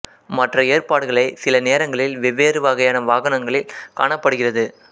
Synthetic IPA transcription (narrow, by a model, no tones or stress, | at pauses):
mɐʈrɐeːrpaːɽɯɣɐɭɐɪsɪlɐneːɾɐŋɡɐɭɪlʋɪʋeːɾɯʋaːɣɐjaːnɐʋaːɣɐnɐŋɡɐɭɪlka̰ːɳɐpːɐɽɯɣɪrɐðɯ